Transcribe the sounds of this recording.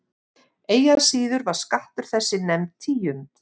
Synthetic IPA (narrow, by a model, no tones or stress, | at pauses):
eːjaðsiːðʏɾvaɾ̥skaht̪ʏɾ̥θɛsːɪnɛmt̪t̪ʰiːjʏnt̪